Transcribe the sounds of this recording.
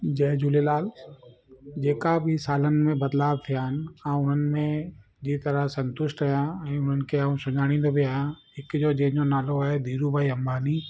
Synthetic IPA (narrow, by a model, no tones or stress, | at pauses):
d͡ʑɛːd͡ʑʊːlelaːl | d͡ʑeːkabʱɪsaːlənɪ̆mẽbɐd̪laːbt̪ʰijaːɦɪnɪaːʊn̤ənɪ̆mẽ | d͡ʑit̪ɐɾəsɐ̃nt̪ʊʃʈajãɛ̃ːʊn̤ənɪ̆kʰeaːũsʊ̃d͡ʒaːɽ̃ĩːn̆d̪obʱiaːjãɦɪkd͡ʑoːd͡ʑeɦɲonaːloaːɦed̪ʱiːɾubʱaːiɐmbaːniː